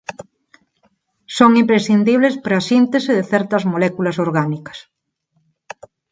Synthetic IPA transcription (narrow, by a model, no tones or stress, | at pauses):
soŋimpɾesθind̪iβlespɾɐsint̪esɪðeθɛɾt̪ɐzmolɛkulɐsoɾɣanikɐ̥s